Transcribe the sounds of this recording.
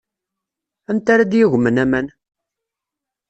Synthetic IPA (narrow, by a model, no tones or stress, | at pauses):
ænt̪aɾad̪jɪʝʷmənæmæn